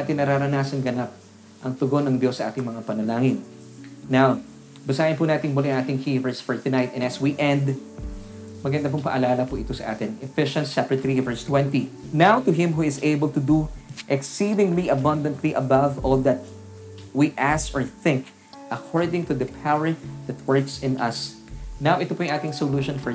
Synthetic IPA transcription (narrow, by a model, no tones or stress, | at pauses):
aːt̪ɪnɐɾaɾɐnaːsɐnɡɐnap̚ | ʔɐŋt̪ʊɡonɐŋd̪josːɐʔa̰ːt̪ɪŋmɐŋapɐnɐlaːŋɪnː | aw | bɐsaːjɪnpunaːt̪ɪŋbʊlɛɐŋaːt̪ɪŋhivɛɹsfɔɹt̪ʊnajt̪ɛ̃nɐswiʔɛ̃nd̪ | mɐɡɐnd̪apʊŋpɐ̰ʔɐlaːlɐpʊʔɪt̪o̞sɐʔa̰ːt̪ɪnɛfɪʃɐ̃nt͡ʃɛpɹət̪ɾivɛɹst̪wɛ̃nt̪inawt̪ʊɦɪ̃mɦuɪseɪbəlt̪ʊd̪uʔɛksid̪ɪ̃ŋliʔɐbɐ̃nd̪ɐ̃nt̪liʔɐbɐvɔld̪ɐt̪̚ | wiʔæsɔɹθɪ̃ŋk | ʔɐkʰɔɹd̪ɪ̃ŋt̪ʊd̪ɐpʰawə˞d̪ɐt̪̚wɜɹksɪ̃nɐs | nawʔɪt̪opuːjʊ̃ŋaːt̪ɪŋsoluːʃɔ̃nfɔ